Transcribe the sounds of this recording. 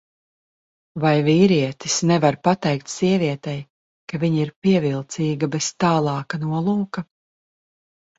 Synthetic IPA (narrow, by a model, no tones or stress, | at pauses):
vajviːɾiɛt̪isnɛvaɾpat̪ɛjk̚t̪siɛviɛt̪ɛj | kaviɲiɾpiɛvilˠt̪siːɡabɛst̪aːlˠɑːkanuɔlˠuːkɐ